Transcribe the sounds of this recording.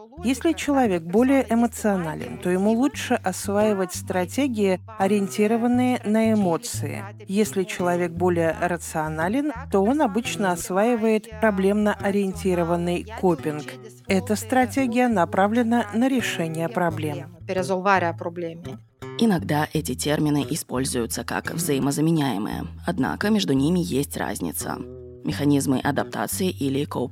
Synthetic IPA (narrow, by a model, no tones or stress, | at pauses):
jesʲlʲɪt͡ɕɪlˠɐvʲe̞k̚bo̞lʲɪjəʔɪmət̪sɨɐnalʲɪ̰nt̪o̞jɪmulˠutʂɨʔɐsvajɪvətʲst̪ɾɐtʲeɡʲɪɪ | ɐɾʲɪɪnʲtʲiɾəvənːɨjənəɪmo̞t̪sɨɪ̰ | jesʲlʲɪt͡ɕɪlˠɐvʲe̞k̚bo̞lʲɪjə̰ɾət̪sɨɐnalʲɪnt̪o̞o̞nɐbɨt͡ɕnəɐsvaɪvəjɪt̪pɾɐblʲe̞mnəʔɐɾʲɪɪnʲtʲiɾəvənːɨjkopʲɪnk | ɛt̪əst̪ɾɐtʲeɡʲɪjənɐpɾavlʲɪnənəɾʲɪʂɛnʲɪjəpɾɐblʲempʲɪɾʲɪzolˠvaɾʲɪɐpɾoblʲemʲɪ | ɪnɐɡd̪aʔɛtʲɪtʲe̞rmʲɪnɨʔɪspo̞lʲzʊjʊt̪səka̰kvzəjɪməzəmʲɪnʲæjɪ̰mɨ̰jə̰ɐd̪na̰kəmʲeʐd̪ʊnʲimʲɪjesʲtʲra̰zʲnʲɪ̰t̪sə̰ | mʲɪxɐnʲizmɨʔɐd̪ɐp̚t̪a̰t̪sɨɪʔilʲɪkop